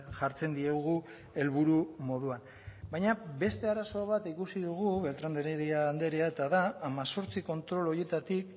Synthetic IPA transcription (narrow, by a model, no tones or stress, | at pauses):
ʝaɾt͡se̞nd̪ieɣu | e̞lβuɾumo̞ðuan | bajɲabe̞st̪e̞aɾaso̞β̞at̪ikusiðuɣ̞uβe̞lt̪ɾand̪eɾeɾiaːnd̪e̞ɾiae̞t̪aðaːmaso̞ɾt͡siko̞nt̪ɾo̞lo̞je̞t̪at̪ik